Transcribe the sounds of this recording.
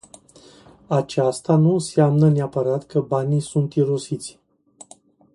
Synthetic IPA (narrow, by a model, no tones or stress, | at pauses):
at͡ʃast̪anunseamnəneapəɾat̪kəbanisunt̪iɾosit̪sʲ